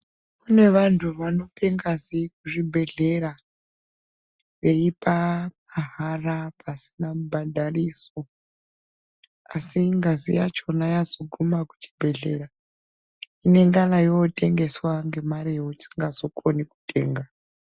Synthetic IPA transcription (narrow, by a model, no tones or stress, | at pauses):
kune̞ʋantʰuʋano̞peŋɡazik̚uʐibʱe̞ɮe̞ra | ʋe̞ipamaɦarapasi̥namubʱadʱariːso̞ | asiŋɡazḭjat͡ʃo̞najazo̞ɡʱumaku̥t͡ʃi̥bʱe̞ɮe̞ɾa | ine̞ŋɡanajote̞ŋɡe̞swaŋɡe̞maɾijeut͡ʃi̥ŋɡazo̞kʼoniku̥tʼe̞ːŋɡa